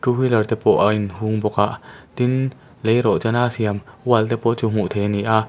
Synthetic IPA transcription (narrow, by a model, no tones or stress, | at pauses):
tuhilɐrt̪ɛpɔʔaʔinhuŋbɔkaʔt̪in | lejɾɔʔt͡sanaːsiamwalt̪ɛpɔʔt͡sum̥uʔt̪ʰɛniʔa